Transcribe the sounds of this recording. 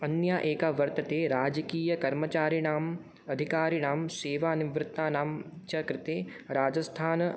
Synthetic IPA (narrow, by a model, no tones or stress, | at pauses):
ɐnjaːʔeːkaʋɐɾt̪ɐt̪eːɾaːd͡ʒəkiːjɐkɐɾmɐt͡ʃaːɾiɽaːm | ɐd̪ʱikaːɾiɽ̃aːmseːʋaːniʋɾɪt̪ːaːnaːmt͡ʃɐkɾɪt̪eːɾaːd͡ʒɐst̪ʰaːn